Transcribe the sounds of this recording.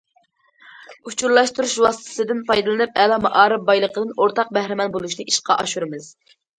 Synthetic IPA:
ut͡ʃʰuɾlˠɑʃt̪uɾuʃwɑsɨ̥t̪ʰɨ̥sɨd̪ɨnpʰɑjd̪ɨlˠɨnɨp̚ɛlɑmɑʔɑːɾɨp̚bɑjlˠəqəd̪ɨnoɾt̪ʰɑq̚bæhɾɪmɛnbolˠuʃnɨʔiʃqʰɑʔɑʃuɾɨmɨz̥

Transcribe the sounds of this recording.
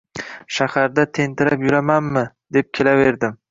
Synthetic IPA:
ʃahaɾd̪at̪ʰe̞nt̪ʰɪɾapjʊɾamanmɪ | d̪e̞p̚kʲʰe̞lave̞ɾd̪ɪm

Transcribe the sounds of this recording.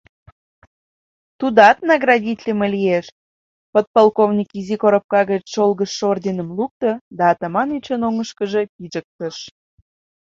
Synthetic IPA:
t̪ud̪ɑt̪nɑɣrɑdʲit̪ʲlʲimelʲijeʃ | pət̪̚pɑlˠkovnʲikizikoɾə̆p̚kɑɣət͡ɕʃolɣəʃːord̪ʲinəmluk̚t̪əd̪ɑːt̪ɑmɑnyt͡ɕənoŋəʃkəʒepiʒək̚t̪əʃ

